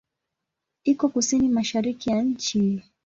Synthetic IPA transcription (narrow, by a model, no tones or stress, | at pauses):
ikɔkusinimaʃaɾikijaɲ̩t͡ʃi